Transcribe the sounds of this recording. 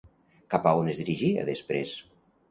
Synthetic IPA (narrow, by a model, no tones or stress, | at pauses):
kapaonezðiɾiʒia̰ðespɾḛs